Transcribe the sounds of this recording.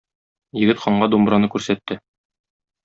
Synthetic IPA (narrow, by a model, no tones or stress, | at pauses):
jɘ̆ɡɘt̪χɒɴɢɑd̪umbɾɑnɤkʉɾsæt̪ːɘ